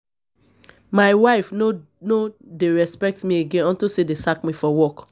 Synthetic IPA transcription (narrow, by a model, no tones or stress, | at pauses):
maɪwaɪf | nodeɹɛspɛk̚tmieɡẽnɔ̃ntisedesakmifɔwɔk